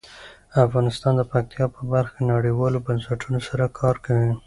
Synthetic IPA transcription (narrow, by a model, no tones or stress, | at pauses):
afɣɑnɪst̪ɑnd̪əpak̚t̪ijɑpəbaɾxkanaɽiwɑlobansaʈʰunosaɾakʰɑɾkawi